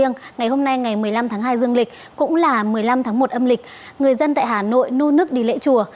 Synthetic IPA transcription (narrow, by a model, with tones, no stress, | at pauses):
əŋŋa˨˩jho˧mna˧jŋa˨˩jmɨ˨˩əjla˧mt̪ʰaː˨˦ŋɦaː˧jzɨ˧əŋlï˨˩k̟̚ | kʊ̰˧˥ŋ͡mlaː˨˩mɨ˨˩əjla˧mt̪ʰa˨˦ŋmo˨˩t̚ʔə˧mlï˨˩k̚ | ŋɨ˨˩əjzə˧nt̪a̰ː˧˨jɦaː˨˩no̰˧˨jno˧nɨ˦˥ək̚ɗi˨˩lḛ˧˥t͡ɕu˨˩ə